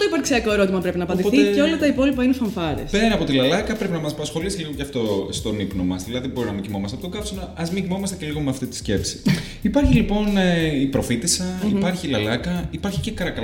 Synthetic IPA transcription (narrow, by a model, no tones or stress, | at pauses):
t̪oipɐɾksiɐko̞eɾo̞t̪imɐpɾepinɐːpɐnd̪ipoθiceo̞lɐt̪ɐipo̞lipɐinefɐɱfɐɾḛspeɾɐɐpo̞t̪ilɐlɐkɐpɾe̞pinɐmɐsɐpɐsxo̞lisiliɣocɐft̪o̞st̪o̞nipno̞mɐsðilɐðibo̞ɾinɐmiɟimo̞mɐst̪ɐpot̪oɡɐfsinoɐzmiɟimo̞mɐst̪ece̞liɣo̞meɐft̪it̪i̥sce̞psi̥ | ipɐɾçilipo̞neipɾo̞fit̪isɐipɐɾçilɐlɐkɐipɐɾçi̥cekɐɾɐkɐ